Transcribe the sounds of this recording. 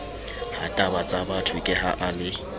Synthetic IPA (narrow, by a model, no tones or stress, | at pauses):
hatʼabat͡sʼabatʰʊkʼɪha̰ʔalɪ